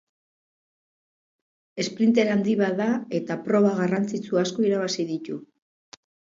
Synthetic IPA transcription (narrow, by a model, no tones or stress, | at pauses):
e̞spɾint̪e̞ɾand̪iβaðae̞t̪apɾo̞β̞aɣarant͡sit͡suasko̞iɾaβasiðit̪u